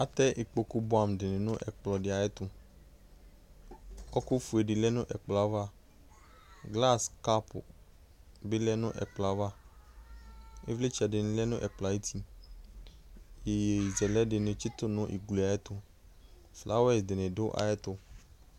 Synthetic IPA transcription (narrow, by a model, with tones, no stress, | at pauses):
a˦t̪ɛ˦ʔe˨k͡po˨ku˦bʊ˦a˨m˨dɪ˨nẽ˨nʊ̃˦ʔɛ˨k͡plɔ˨dɪ˨a˨jɛ˦t̪ʊ˧ | ɔ˦ku˦fu˨e˨dɪ˨lɛ˦nʊ̃˦ʔɛ˨k͡plɔ˨a˨˦va˦ | ɡla˦˨ska˦pʊ̰˨ | bɪ˦lɛ˦nʊ̃˦ʔɛ̰˨k͡pla˨˦va˦ | e˦vle˦t͡ʃa˨dɪ˨ñ˨˦lɛ˦nʊ̃˦ʔɛ˨k͡pla˨˦e˦tʰi˦ | je˨je˨i˨zɛ˨lɛ˦dɪ˨nẽ˨t͡ʃi˦t̪ʊ˦nʊ̃˨˦ʔḭ˨ɡle˨a˨jɛ˦t̪ʊ˧ | fla̰˦wɛ˦sdɪ˨nẽ˨dʊ˦ʔa̰˨jɛ˦t̪ʊ˧